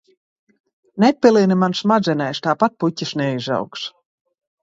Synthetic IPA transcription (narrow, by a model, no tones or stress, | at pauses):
nɛp̚ʲːilˠinimansmad̪zʲɛnɛjst̪aːpat̪̚putʲːiʃnɛiza̰wks